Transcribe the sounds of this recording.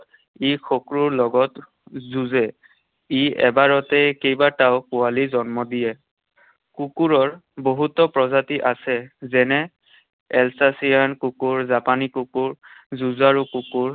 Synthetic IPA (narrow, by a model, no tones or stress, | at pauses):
ixʰokɹuɹlɔɡɔt | zuzɛ | iɛ̰baɹɔtɛkejbataʊkualizɔnmɔdijɛ | kukuɹɔɹboɦutɔpɹɔzatiʔasɛzɛnɛ | ɛlsasijankukuɹzapanikukuɹzuzaɹukukuɹ